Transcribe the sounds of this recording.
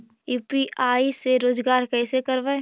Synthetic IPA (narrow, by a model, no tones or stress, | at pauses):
juːpiʔaːiseɾoːd͡ʒɡaːɾkɛːsekɐɾʋaː